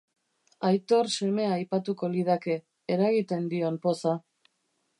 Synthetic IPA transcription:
ajt̪o̞ɾse̞me̞aːjpat̪uko̞lið̞ake̞ː | ɾaɣit̪e̞nd̪io̞mpo̞sa

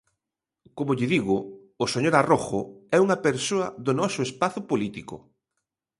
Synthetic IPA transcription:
komʊʎɪðiɣʊː | seɲoɾaroxʊɛuŋɐpeɾsoɐðonɔsʊespaθʊpolit̪ikʊ̰

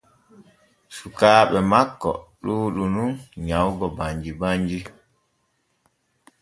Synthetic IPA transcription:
sukaːɓɛmakːɔ̰ɗuːɗununɲawɡɔbaɲd͡ʒibaɲd͡ʒi

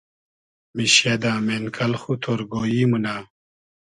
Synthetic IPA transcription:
miɕjed̪ãːmenkʰɐlxut̪ʰoːɾɡoːjiːmunaː

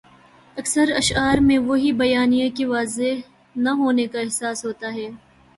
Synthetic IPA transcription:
ɐksəɾɐʃaːɾmẽʋoɦibɐjaːnijakiʋaːzeɦ | nɐɦoːnekaɪɦsaːsɦoːt̪aɦɛː

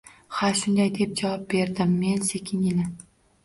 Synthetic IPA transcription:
haʃʊnd̪ajd̪e̞p̚d͡ʒavɒp̚be̞ɾd̪ɪmːe̞nse̞kʲʰɪnjɪlɪ

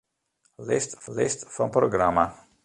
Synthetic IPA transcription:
lɪstlɪstfɔnproɡrama

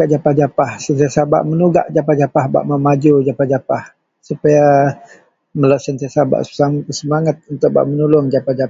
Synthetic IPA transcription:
aʔd͡ʒapahd͡ʒapahsənt̪iasaba̰ʔmənuɡa̰ʔd͡ʒapahd͡ʒapahba̰ʔmamad͡ʒud͡ʒapahd͡ʒapah | supaja | məlasənt̪iasaba̰ʔsasəmaŋat̪̚unt̪ʊʔ̚ba̰ʔmənulʊŋd͡ʒapahd͡ʒa

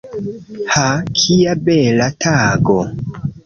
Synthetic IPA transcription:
hakʰijabelatʰaɡo

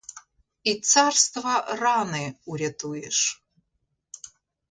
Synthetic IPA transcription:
it͡sʰarst̪vɐranɨuɾʲɛtʰujɛ̰ʂ

